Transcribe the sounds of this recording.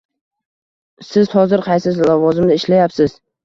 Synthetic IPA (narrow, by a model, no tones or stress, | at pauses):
sɪzhɒzɪɾqʰɑjsɪzlavɒzɪmnɪɪʃlajapsɪz̥